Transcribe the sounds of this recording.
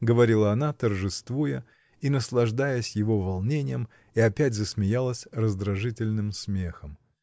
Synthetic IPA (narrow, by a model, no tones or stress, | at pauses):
ɡəvɐɾʲilˠəɐnat̪ərʐɨst̪vujə | inəslˠɐʐd̪ajəsʲjɪvo̞vɐlˠnʲenʲɪjəm | iɐpʲætʲzəsmʲɪjalˠəsʲrəzd̪ɾɐʐɨtʲɪlʲnɨmsmʲe̞xəm